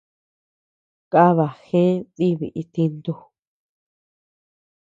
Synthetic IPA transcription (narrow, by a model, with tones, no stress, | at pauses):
ka˦βa˨xẽ˦ði˦βḭ˨ʔi˧t̪i˧nd̪u˧